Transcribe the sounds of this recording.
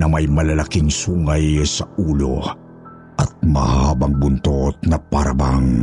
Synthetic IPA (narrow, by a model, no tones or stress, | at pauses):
nɐmajmɐlɐlakiŋsuːŋajsɐʔuːlo̰ | ʔɐt̪̚mɐ̰haːbɐŋbʊnt̪ot̪̚nɐpaɾɐbaŋ